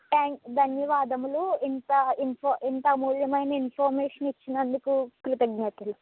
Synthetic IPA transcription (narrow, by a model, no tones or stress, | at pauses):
ʈaːŋd̪ʱɐnjɐʋaːd̪ɐmloːint̪ɐinpʰɐint̪ɐmuːljɐmɐjnɐinpʰɐːɾmeːʂɐnit͡ʃːinɐnd̪ukukɾut̪ɐɡ̚ɲɐt̪ilu